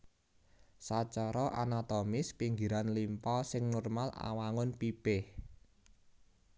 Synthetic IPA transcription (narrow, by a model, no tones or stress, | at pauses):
sat͡ʃɔɾɔʔanat̪ɔmɪspiŋɡiɾanlimpɔsɪŋnɔrmala̰waŋʊnpipɪh